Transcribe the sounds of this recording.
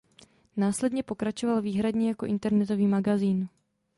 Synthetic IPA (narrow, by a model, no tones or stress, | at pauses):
naːslɛdɲɛpo̞kɾat͡ʃo̞valviːɦɾadɲɛjako̞ʔɪnt̪ɛɾnɛt̪o̞viːmaɡaziːn